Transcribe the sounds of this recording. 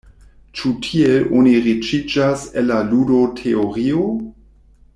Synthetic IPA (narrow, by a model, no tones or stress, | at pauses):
t͡ʃutʰieloniʁit͡ʃid͡ʒaselːaludotʰeoʁio